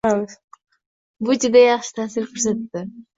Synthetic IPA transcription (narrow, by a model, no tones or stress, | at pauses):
a | bʊd͡ʒɪd̪ajɑχʃɪ̥t̪ʰaːsiɾqʰʊɾs̬at̪ːɪ